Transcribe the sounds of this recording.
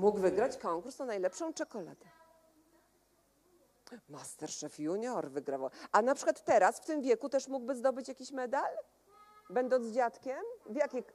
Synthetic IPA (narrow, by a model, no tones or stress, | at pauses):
muɡvɘɡɾat͡ɕkɔŋkuɾsɔnajlɛpʂɔ̃w̃t͡ʂɛkɔla̰d̪ɛ | mast̪ɛɾʂɛfjuɲɔɾvɘɡɾavawʔanapʂɘ̥kwat̪ːɛɾasft̪ɘmvʲjɛkut̪ɛʂmuɡbɘzd̪ɔbɘt͡ɕjakʲiɕmɛd̪al | bɛnd̪ɔnt̪zd͡ʑat̪kʲɛmvjakʲix